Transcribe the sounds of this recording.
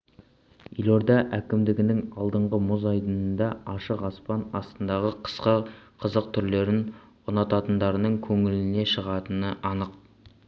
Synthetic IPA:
ijlˠoɾd̪ɑʔækʲɪmd̪ɪɡʲɪnɪŋɑlˠd̪əɴʁəmʊzɑjd̪ənənd̪ɑɑʃəqɑspɑnɑst̪ənd̪ɑʁəqʰə̥sqəqʰəzəq̚t̪ʰʏɾle̞ɾɪn | ʊnɑt̪ɑt̪ənd̪ɑɾənəɴkʲʰɵŋɪlɪne̞ʃəʁɑt̪ənəʔɑnəq

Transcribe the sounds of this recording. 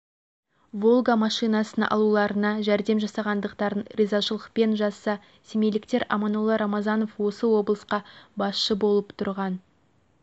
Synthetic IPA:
vo̞lˠɡamɑʃijnɑsənʔɑ̰lˠulˠɑɾənɑʒæɾd̪e̞mʒɑsɑʁɑnd̪əqt̪ɑɾənrʲizaʃəlˠəq̚pe̞nʒɑsːɑ | semelɪkt̪e̞ɾʔɑ̰mɑnolˠːɑɾɑmɑzɑno̞fwo̞səwo̞blˠəsqɑbɑsʃəbo̞lˠəpt̪ʰʊɾʁɑn

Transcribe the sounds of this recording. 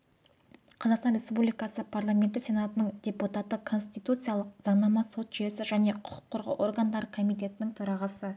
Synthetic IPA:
qʰɑzɑqst̪ɑnɾʲe̞spublijkɑsəpʰarlˠamʲe̞nt̪ɪsʲe̞nat̪ənəɴd̪ʲe̞put̪at̪ːəkʰo̞nst̪ijt̪ut̪sɨjalˠəqz̥ɑɴnɑmɑso̞t̪ʒ̥ʏje̞sɪʒæne̞qʰʊ̥qʰʊ̥qʰːʊɾʁə̰ʔo̞̰rɡand̪ɑɾəkʰo̞mijt̪e̞t̪ɪnɪŋt̪ʰʊɾɑʁɑsə

